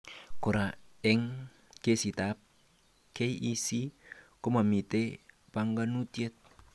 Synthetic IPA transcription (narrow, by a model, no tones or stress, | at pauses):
koɾaɛŋ | kesit̪ap̚ | kejʔisikomamit̪e | paŋɡanut̪iɛt̪̚